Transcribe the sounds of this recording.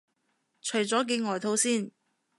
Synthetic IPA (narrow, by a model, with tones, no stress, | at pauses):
t͡ʃʰɵ˨˩ɥt͡sɔː˨˥k̬e˧ŋɔː˨jt̪ʰo˨˥wsiː˥˩n